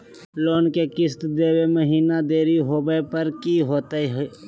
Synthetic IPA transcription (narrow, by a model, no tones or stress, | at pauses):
loːnkekɪst̪d̪eːweməɦiːnad̪eːɾiɦoːbəpəɾkiɦoːt̪eɦ